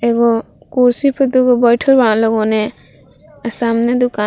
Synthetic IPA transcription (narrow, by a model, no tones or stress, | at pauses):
ɛɡɔ | kɔɾsipʰɔd̪uɡɔbɔjʈʰɔɾbãlɔɡɔnɛ | asamnɛd̪uka